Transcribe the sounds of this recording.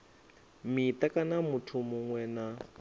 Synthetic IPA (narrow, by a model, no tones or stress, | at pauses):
mit̪akanamutʰumuŋwɛːna